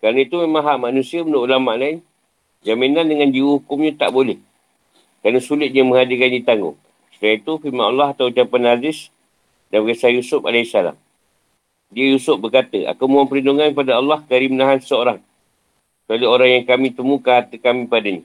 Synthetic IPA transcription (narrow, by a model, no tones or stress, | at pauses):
kaɾənəit̪umemãŋɦaʔmanũsiəmənoʔulamaʔlaɪn | d͡ʒaminandəŋãnd͡ʒiwohukʊmɲat̪a̰ʔbolɛh | kɾaɾnəsulɪt̪̚ɲəmə̃ŋadikandit̪aŋɡʊ̰ŋ | sudait̪ufimaʔɑlːɑɦat̪awt͡ʃapanad͡ʒɪs | danbəɡasajusʊpa̰laisala̰m | diəjusʊp̚bərkat̪əa̰kawmuaŋpəɾinduŋankəpadaɑlːɑhkaɾimənaɦanssəoɾaŋ | kalioɾaŋjaŋkamĩt̪əmũkaat̪əkamĩpadaɲa